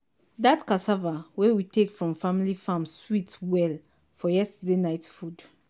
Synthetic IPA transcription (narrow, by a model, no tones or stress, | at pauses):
datkasavawewitekfɹɔ̃mfãmilifãmswitwɛl | fɔjɛstdenaɪtfud